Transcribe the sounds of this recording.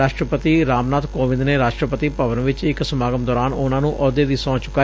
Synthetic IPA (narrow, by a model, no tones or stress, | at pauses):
aːʃʈɾəpət̪iːɾaːmnaːt̪koːʋɪ̃nd̪neːɾaːʃʈɾəpət̪ipəʋənʋɪt͡ʃɪksəmaːɡəmd̪ɔːɾaːnʊnãːnũːʔʔɔːd̪eːd̪iːsɔ̃ːt͡ʃʊkːaː